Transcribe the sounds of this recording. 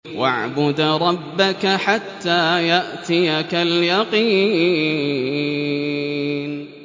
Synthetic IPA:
wa̰ʕbʊd̪ɾˤɑbːakaħat̪ːaːjaʔt̪ɪjakaljɑqiː | n

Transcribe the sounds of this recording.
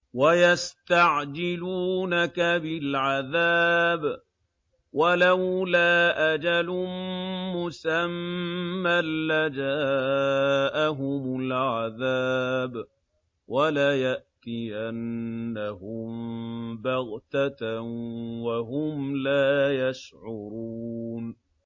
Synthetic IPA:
wajast̪aʕd͡ʒɪluːnakabɪlʕaðaːb | walawlaːʔad͡ʒalʊmʊsamː | alːad͡ʒaː | ʔaɦʊmʊlʕaðaːb | wʔalaːjaʔt̪iʔanːahʊmbaɣt̪a | waɦʊmlaːjaʃʕʊɾuːn

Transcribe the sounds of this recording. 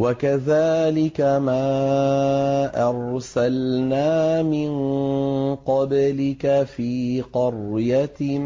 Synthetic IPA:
wakaðaːlɪkamaː | ʔɑɾsalnaːmɪn | qɑblɪkafiːqɑrjat̪

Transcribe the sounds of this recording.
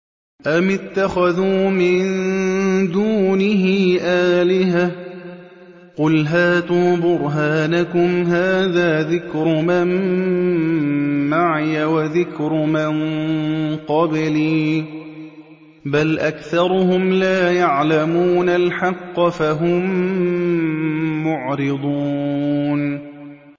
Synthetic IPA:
ʔamɪt̪ːaxaðuːmɪn | d̪uːnɪɦɪːʔaːlɪha | qʊlɦaːt̪uːbʊɾɦaːnakʊmɦaːðaːðɪkɾʊmɪm | aʕjawaðɪkɾʊmɪn | qɑbɪliː | balʔakθɑɾˤʊhʊmlaːjaʕlamuːnalħɑqːɑfaɦʊm | ʊʕɾɪd̪ˤuːn

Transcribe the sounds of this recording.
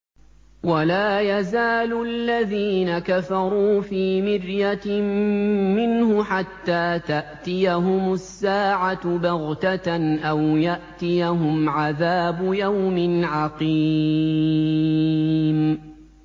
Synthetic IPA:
walaːjazaːlʊʔalːaðiːnakafɑɾˤuːfiːmɪrja | mɪnhʊħat̪ːaːt̪aʔt̪ɪjaɦʊmʊsːaːʕat̪baɣt̪aʔawjaʔt̪ɪjaɦʊmʕaðaːbʊjawmɪnʕɑqi | m

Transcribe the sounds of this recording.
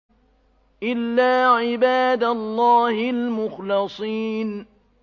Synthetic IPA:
ʔɪlːaːʕɪbaːd̪alˤːɑːhɪlmʊxlɨsˤiːn

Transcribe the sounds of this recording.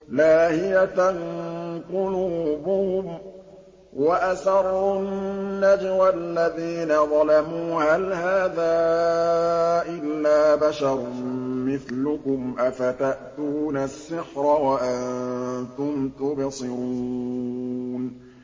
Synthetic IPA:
laːhɪjat̪anqʊluːbʊhʊm | waʔasɑɾˤːʊnːad͡ʒwalːaðiːnaðˤɑlamuːhalhaːðaː | ʔɪlːaːbaʃɑɾˤmɪθlʊkʊmʔafat̪aʔt̪uːnasːɪħɾˤɑwaʔannnt̪ʊmt̪ʊbsˤɪɾuː | n

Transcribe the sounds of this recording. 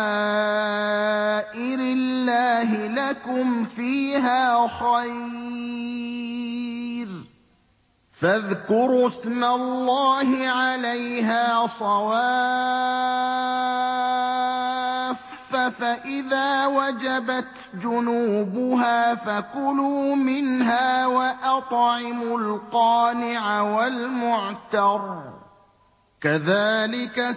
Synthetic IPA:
ʔɪɾɪlːaːɦɪlakʊmfiːɦaːxaj | ɾ | faðkʊɾɪsmalːɑːɦɪʕalajɦaːsˤɑwaː | fafaʔɪðaːwad͡ʒabat̪ | d͡ʒʊnuːbʊɦaːfakʊluːmɪnɦaːwaʔɑt̪ˤʕɪmʊlqɑːnɪʕawalmʊʕt̪ɑɾˤ | kaðaːlɪka

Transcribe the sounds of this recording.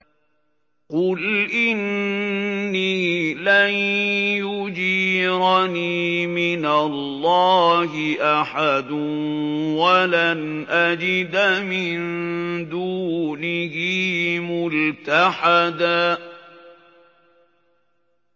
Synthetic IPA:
qʊlʔɪnː | iːlanjʊd͡ʒiːɾaniːmɪnalːɑːhɪʔaħad̪ʊnwalanʔad͡ʒɪd̪mɪnd̪uːnɪhɪːmʊlt̪aħad̪aː

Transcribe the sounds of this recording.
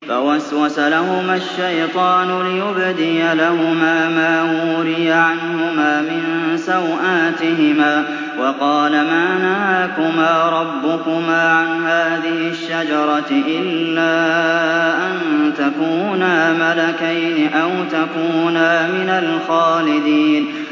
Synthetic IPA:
fa̰waswasalahʊmaʃːajt̪ˤɑːnʊlɪjʊbd̪ɪjalahʊmaːmaːwuuːɾɪjaʕanhʊmaːmɪnsawʔaːt̪ɪɦɪmaː | wɑqɑːlamaːnahaːkʊmaːɾˤɑbːʊkʊmaːʕanɦaːðɪhɪʃːad͡ʒɑɾˤɑʔɪlːaː | ʔant̪akuːnaːmalakajnɪʔawt̪akuːnaːmɪnalxaːlɪd̪iːn

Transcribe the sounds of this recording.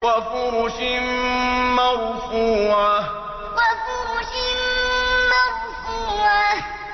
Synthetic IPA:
kafuɾuʃim̩maɾufuwa | kafuɾuʃim̩mafufuwa

